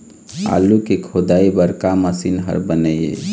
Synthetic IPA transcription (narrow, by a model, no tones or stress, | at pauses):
a̰lukekʰod̪aibəɾkaməsinɦə̰ɾbənəjḛ